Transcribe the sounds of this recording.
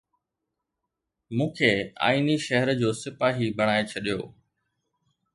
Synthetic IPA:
mũːkʰea̰ːiːniʃɐɦəɾd͡ʑoːsɪpaːɦibɐɽ̃aːet͡ɕʰɐɗijo̰ː

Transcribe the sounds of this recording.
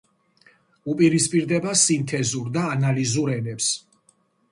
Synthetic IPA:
upʼiɾispʼiɾd̪ɛbasint̪ʰɛzuɾd̪aːnalizuɾɛnɛps

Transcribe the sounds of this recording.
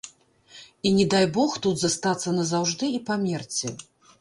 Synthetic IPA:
inʲɛd̪ajbɔxt̪ud̪zast̪at̪sːɐnɐzawʐd̪ɨipamʲɛrt͡sʲɛ

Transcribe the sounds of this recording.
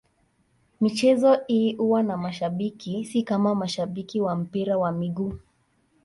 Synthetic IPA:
mit͡ʃɛzɔhiʔuwanamaʃaɓikisikamamaʃaɓikiwam̩piɾawamiɠuː

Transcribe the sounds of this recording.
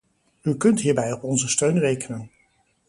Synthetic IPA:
ykɵntɦiːɹbɛjɔpɔnzəstøɥnrejkənən

